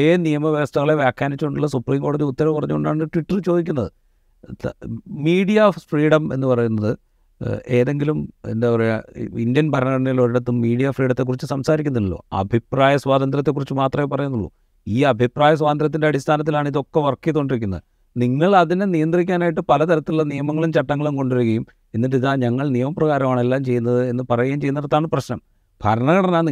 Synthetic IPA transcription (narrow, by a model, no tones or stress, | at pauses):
eːnijɐmɐʋjɐɐst̪ɐŋːɐɭe̞ʋjaːkʰjaːnit͡ɕːuuɳɖuɭːɐsupriːmko̞ːɽɐðiut̪ːɐɾɐkːurɐɲːukoɳɖaːɳɳːɨʈʋiʈːɐrt͡ɕo̞ːd̪ikʲːunːɐðɨ | miːɽijafriːɽɐme̞̰nːɨpɐrɐjunːɐðɨ | e̞ːðe̞ŋɡilumḛndeoreindjɐnpɐɾɐnɐɐnɐloɾiɽɐt̪ːumːiːɽijafriːɽɐnt̪ːekːurit͡ɕːɨsɐmsaːɾikʲːunːɐðilːo̰ːɐ̰bʱipraːjɐswaːðɐnd̪rɐt̪ːe̞kːurit͡ɕːɨmaːt̪rɐmepɐrɐjunːuɭːṵ | iːɐbʱipraːjɐs̬waːɐnd̪ɾɐt̪ːinde̞ɐɽist̪ʰaːnɐt̪̬ːilaːɳɨiðo̞kːe̞ʋɐrkːijɐðukoɳɖiɾik̬ʲːunːɐ̰ðɨ | niŋːɐɭɐðinenijɐnd̪rikʲːaːnaːjiʈːɨpɐlɐt̪ɐɾɐt̪ːiluːɐnijɐmɐŋːɐɭumt͡ɕɐʈːɐŋːɐɭumko̞ɳɖuɾuɣːɐjum | enːiʈːiðaːɲɐŋːɐɭnijɐmɐprɐɣaːɾɐmaːɳe̞lːaːmt͡ɕe̞jːunːɐðɨe̞nːɨpɐrɐjaːmt͡ɕejunːɐɾɐt̪ːaːɳɨprɐɕnɐm | b̥ʱɐɾɐɳɐɣɐɽenaːn